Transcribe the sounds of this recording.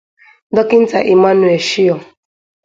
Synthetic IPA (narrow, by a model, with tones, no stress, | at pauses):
dɔ˦kɪ˦n̩˦ta̰˨ʔi˨ma˦nu˨e˨ʃi˦ɔ˨